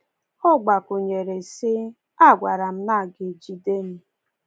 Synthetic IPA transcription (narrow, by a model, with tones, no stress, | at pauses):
ʊ˦ɡ͡ba˨kʊ˨ɲe˨ɾe˨sɪ˦ | a˦˨ɡʷa˨ɾa˨m̩˦na˦˨ɡɪ˨d͡ʒi˦de˦m̩˦